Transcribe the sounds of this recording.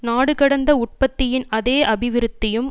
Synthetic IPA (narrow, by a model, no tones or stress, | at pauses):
naːɽɯkɐɽɐnd̪ɐʊʈ̚pɐt̪ːɪjɪnɐðeːʔɐbɪʋɪɾɯt̪ːɪjɯm